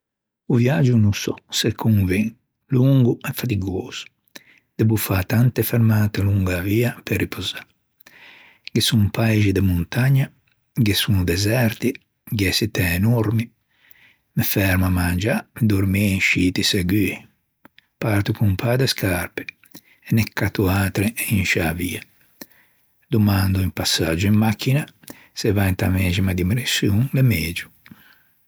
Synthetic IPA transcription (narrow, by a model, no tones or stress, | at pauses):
uvjad͡ʒunusɔsɛkʰːunviŋ | luŋɡuɛfat̪iɡoz̥u̥ | d̪̥ebufat̪ant̪efeɾmaːt̪eluŋɡaviːaperːipoza | ɡesumpajʒid̪emunt̪aɲːa | ɡesund̪ɛzɛɾt̪i | ɡɛsit̪ɛːnoɾmi | mefɛɾmamand͡ʒamd̪oɾmiinʃiːt̪iseɡy | paɾt̪ukumpʰad̪eskʰaɾpɪ̥ | ɛnɛkʰːat̪uaːt̪ɾeʔinʃavḭa | d̪umand̪uimpasːad͡ʒuimːakːina | sɛvant̪amɛd͡ʒimad̪imɾisjuŋlemeːd͡ʒu